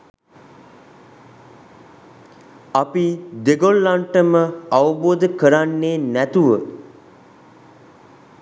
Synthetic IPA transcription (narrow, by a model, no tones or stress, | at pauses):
apid̪eɡolːaɳʈəməaʋəboːd̪əkəɾanːeːnæt̪uʋə